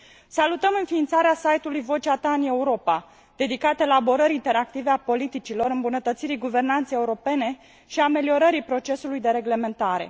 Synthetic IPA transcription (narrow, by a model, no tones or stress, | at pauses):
salut̪əmɨnfiːnt̪saɾeasajt̪ulujvo̞t͡ʃeat̪aɨne̞uɾo̞pa | d̪̥e̞d̪ikat̪eelabo̞ɾəɾint̪e̞ɾak̚t̪iveapo̞lit̪it͡ʃilo̞ɾɨmbunət̪ət̪siɾiɡuve̞rnant̪sejeuɾo̞pe̞ne̞ | ʃiame̞lio̞ɾəɾipɾo̞t͡ʃe̞sulujd̪e̞ɾe̞ɡle̞me̞nt̪aɾe̞̰